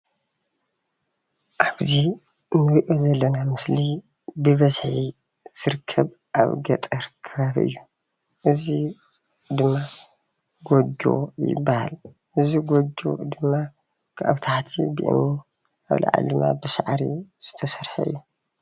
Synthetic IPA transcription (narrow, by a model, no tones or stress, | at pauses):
ʔaβzi | nɨɾʔo̞zɐlːɐnamɨsli | bɨβɐzħi | z̥ɨɾɨkʰːɐβ | ʔa̰βɡɐt̪ʼɐɾkʰɐβaβiʔɨ̰jːu | ʔɨzi | d̪ɨmːa | ɡod͡ʒo̞̰jɪ̰bːaha̰l | ʔɨziɡod͡ʒo̰d̪ɨmːa | kʰɨʔa̰βt̪ʰaħt̪ʰḭbɨ̰ʔɨ̰ni | ʔa̰βlʔa̰ʕa̰lɨma̰bɨsaʕɾḭz̥ɨt̪ʰɐsɐɾħɐ̰ɨ̰jːu